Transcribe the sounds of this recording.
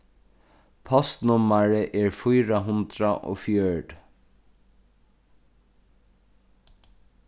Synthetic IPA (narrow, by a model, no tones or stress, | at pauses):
pʰɔst̪nʊmːaɹɪʔɛːɹfʊjɾaɦʊnd̪ɾaʔo̰ːfjœɖ